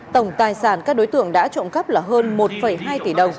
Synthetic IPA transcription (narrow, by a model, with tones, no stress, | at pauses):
t̪ə˧˩wŋ͡mt̪aː˨˩jsaː˧˩nkaː˦˥k̚ɗo˨˦jt̪ɨ̰˧˨əŋɗa̰ː˧˥t͡ɕo̰˧˨nkə˦˥p̚laː˨˩ɦəː˧nmo˨˩t̚fə˧˩jɦaː˧jt̪i˧˩ɗə˨˩wŋ͡m